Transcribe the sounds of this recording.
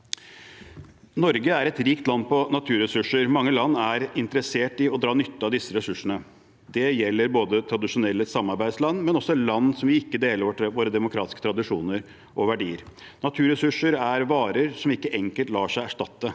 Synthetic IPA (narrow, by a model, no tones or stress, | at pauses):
nɔɾɡəæɾɛt̪ɾiːkt̪lɑnpɔnɑt̪ʰʉːɾɛsʉʂːəɾmɑŋːəlɑnːæɾɪnt̪əɾəseːʈɪɔd̪ɾɑːnʏt̪ːəɑd̪ɪsːəɾɛsʉʂəɳə | d̪ɛjɛlːəɾboːd̪ət̪ʰɾɑd̪ɪʂʊnɛlːəsɑmːɑɾbæɪd̪slɑnːmɛnɔsɔɛt̪lɑnːsɔmʋɪɪkːəd̪eːləɾʋoːɾəd̪ɛmʊkʰɾɑ̰ːt̪ɪ̥skə̥t̪ɾɑd̪ɪʂuːnəɾ | ʔɔʋæɖiːəɾnɑt̪ʰʉːɾɛsʉʂəɾæɾʋɑːɾəɾsɔmɪkːəʔɛŋkəlt̪lɑːʂæɪæʂʈɑt̪ːə